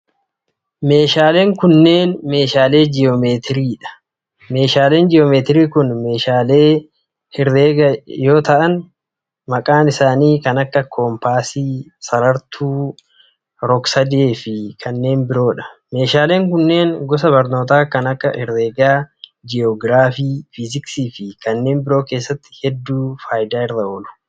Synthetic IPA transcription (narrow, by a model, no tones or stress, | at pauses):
me̞ːʃaːle̞ːŋkʊnːe̞ːnme̞ːʃaːle̞ːd͡ʒɪjoːme̞ːt̪ɪɾiːᶑɐ̥ | me̞ːʃaːle̞ːnd͡ʒɪjoːmeːt̪ɪɾiːkʊnme̞ːʃaːle̞ː | hɪɾeːɡɐjo̞ːt̪ɐʔɐn | mɐkʼaːnɪsaːniːkɐnɐkːɐkʰoːmpaːsiːsɐɾɐɾt̪ʰuː | ɾɔksɐd̪eːfɪkʰɐnːe̞ːnbɪɾo̞ːᶑɐ̥me̞ːʃaːle̞ːŋkʊnːe̞ːnɡɔs̬ɐbɐɾno̞ːt̪aːkɐnɐkːɐʔɪɾːeːɡaːd͡ʒɪɔɡɾaːfiːfɪzɪksiːfɪkɐnːe̞ːnbɪɾo̞ːke̞ːsːɐt̪ːɪ̥hɛd̪ːuːfaːjd̪aːɪɾðɐoːlʊ̥